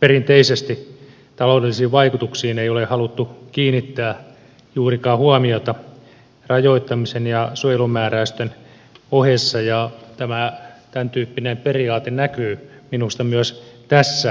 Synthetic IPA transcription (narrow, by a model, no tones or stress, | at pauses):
perint̪eisest̪i | t̪ɑloːdelːisiːʋʋɑikut̪uksiːneiolehɑlut̪ːukiːnit̪ːæː | juːrikɑːhuɑmiot̪ɑ | rɑjoit̪ːɑmisenjɑsuojelumæːræyst̪øn | ohesːɑjɑt̪æmæt̪ænt̪yːpːinemperiɑːt̪ennækyːminust̪ɑmyøst̪æsːæ